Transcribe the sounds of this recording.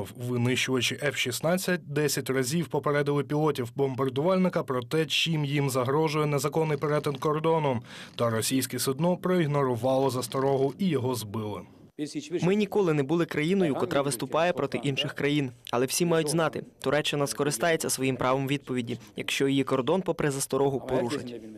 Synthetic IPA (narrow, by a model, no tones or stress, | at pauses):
wʋɪnɪʃt͡ʃʊʋɐt͡ʃɪʔɛfʃisnɑt͡sʲːɐt̚ʲd̪ɛsʲɐtʲrɐzʲiwpɔpeɾɛd̪ɪlˠɪpʲilˠɔtʲiwbɔmbɐrd̪ʊʋɑlʲnɪkɐpɾɔt̪ɛt͡ʃimjimzɐɦɾɔʒʊjɛnɛzɐkɔnːɪjpeɾɛt̪ɪnkɔrd̪ɔnɔmt̪ɐɾɔsʲijsʲkɛsʊd̪nɔpɾɔiɦnɔɾʊʋɑlˠɔzɐst̪ɔɾɔɦʊijɔɦɔzbɪlˠɪ̰ | mɪnʲikɔlˠɪnɛbulˠɪkɾɐjinɔjʊkɔt̪ɾʔɑʋɪst̪ʊpɑjɛpɾɔt̪ɪʔinʃɪxkɾɐjinɐlˠɛwsʲimɑjʊtʲznɑt̪ɪt̪ʊɾɛt͡ʃɪnɐskɔɾɪst̪ɑjet͡sʲːɐsʋɔjimpɾʔɑʋɔmʋʲid̪̚pɔʋʲidʲijɐ̰kʃt͡ʃɔjijikɔrd̪ɔnpɔpɾɛzɐst̪ɔɾɔɦʊpɔɾuʃɐ̰tʲ